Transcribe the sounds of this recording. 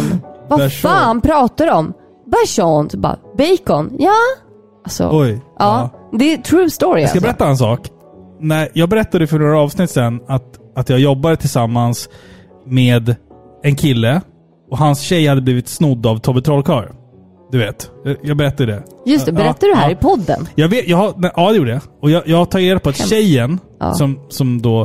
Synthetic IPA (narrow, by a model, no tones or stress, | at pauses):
nvaʂaːnpʰɾɑːt̪ad̪əɔm | bæʂɔnt̪bɑ̰bɛjkɔnjɑː | asɔ̰ɔjʔɑːd̪ɛt̪ʰɾʉːst̪oɾɪskabbɛɾɛt̪ːaɛnsɑːk | næɪjɑːɡbɛɾɛt̪ːad̪əfœɳoːɾaɑːvsnɪt̪ːsɛnːat̪ | at̪jɑːɡjɔbːad̪ət̪ʰɪlsamːans | meːd̪ | ɛnkʰɪlːə | ɔɦansɕɛjhad̪ːəbliːvɪt̪snʊd̪ːavt̪ʰɔbət̪ʰɾɔːlkʰɑːɾ | d̪ɵveːt̪jɑjɑːɡbɛɾɛt̪ːad̪əd̪ɛjɵsɛbɛɾɛt̪ːad̪əɦæːɾɪpʰɔd̪ːə̰njɑːɡveːt̪jɑːɡhanʔɑːd̪ɛjuːɖəjaɔjɑjɑːt̪ʰɑːɡɾeːd̪apʰɔat̪ɕɛjːən̰ | ssɔmsɔmd̪o